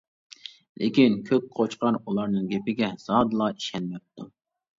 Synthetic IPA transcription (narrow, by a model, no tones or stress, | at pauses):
lʔɪ̰kʲinkʲʰøk̚ʲqʰot͡ʃqɑɾulˠɑɾnɨŋɡʲepɪɡʲɛz̥ɑːd̪ɨlˠɑiʃɛnmɛp̚t̪ʰu